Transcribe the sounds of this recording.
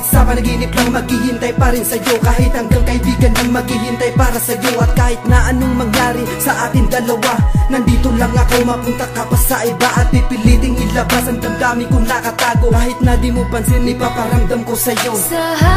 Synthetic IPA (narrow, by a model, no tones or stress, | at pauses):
saːmɐnɐɡinɪplaŋmɐɡɪhint̪ɐjpaɾɪŋsɐjo̞kaːɦɪt̪hɐŋɡaŋkɐhibiːɡɐnlaŋmɐɡɪɦint̪ɐjpaːɾɐsɐjoʔɐt̪̚kaːhɪt̪̚naʔɐnoŋmɐŋjaːɾɪsɐʔaːt̪ɪŋd̪ɐlɐwanɐnd̪iːt̪olaŋɐkowmɐpʊnt̪ɐkɐpɐsaʔɐjbaʔɐt̪̚bɪpɪliːt̪ɪŋʔɪlɐbasɐnɡ̪ɐmɡaːmɪkʊŋlakɐt̪aːɡokaːɦɪt̪̚nad̪ɪmʊpɐnsɛnɪpapɐɾɐmd̪amkosɐjo